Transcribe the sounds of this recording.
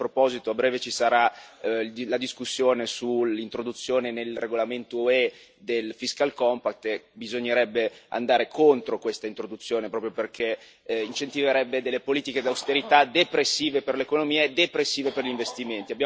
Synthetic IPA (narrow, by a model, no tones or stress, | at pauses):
pɾopɔzit̪oabɾɛːvet͡ʃisaɾa | lad̪iskusːjoːnesulːint̪ɾod̪ut̪sːjoːnenelreɡolament̪oe | d̪elfiskalkɔmpakt̪ebizoɲːeɾɛbːea̰nd̪aːɾekʰont̪ɾokwest̪aint̪ɾod̪ut̪sːjoːnepɾɔːpɾjoperkʰe | int͡ʃent̪iveɾɛbːed̪elːepoliːt̪iked̪awst̪eɾit̪ad̪epɾesːiːveperlekonomiːaed̪epɾesːiːveperʎiɱvest̪iment̪iabja